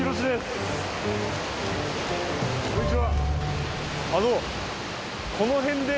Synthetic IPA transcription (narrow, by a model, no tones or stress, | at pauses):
ɾoɕ̬id̪es | koɲit͡siβa | ano | kʰo̞noɦẽ̞nd̪e